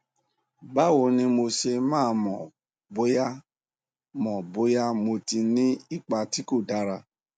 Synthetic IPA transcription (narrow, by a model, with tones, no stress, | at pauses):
ba˦wo˧˦nĩ˦mo˧ʃe˧mãː˦˧mɔ̃˨ | bo˨˦ja˦ | mɔ̃˨bo˨˦ja˦mo˧ti˧nĩ˦i˦˨k͡pa˧ti˦ko˦˨da˨˦ɾa˧